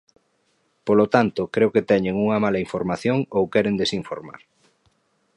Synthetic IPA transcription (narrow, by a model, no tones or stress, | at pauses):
polot̪ant̪ʊkɾeoket̪ɛɲeŋuŋɐmalɐiɱfoɾmaθjoŋowkɛɾend̪esiɱfoɾma̰ɾ